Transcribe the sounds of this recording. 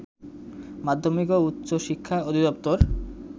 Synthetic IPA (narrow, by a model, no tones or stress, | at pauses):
mad̪ʱːomikout̪ːɕoʃikʰːaod̪ʱid̪ɔp̚t̪oɾ